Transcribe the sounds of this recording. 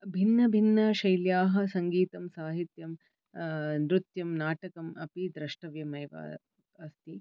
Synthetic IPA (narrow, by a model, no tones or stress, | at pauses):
bʱinːɐbʱinːɐʃɐjljaːɦɐsɐŋɡiːt̪ɐmsaːɦit̪jɐm | nɾut̪jɐmnaːʈɐkɐmɐpid̪ɾɐʂʈɐʋjɐmɐjʋa̰ː | ɐst̪i